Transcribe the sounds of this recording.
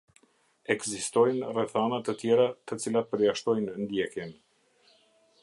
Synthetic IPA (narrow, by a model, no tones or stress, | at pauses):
ɛɡzist̪ɔjnrɛθanat̪ət̪jɛɾat̪ət͡silapəɾjaʃt̪ɔjnnd̪jɛkjɛn